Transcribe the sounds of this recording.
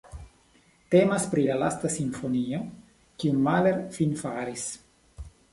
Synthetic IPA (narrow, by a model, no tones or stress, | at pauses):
te̞maspɾilalastasiɱfo̞nio̞ | kiummaleɾfinfaɾis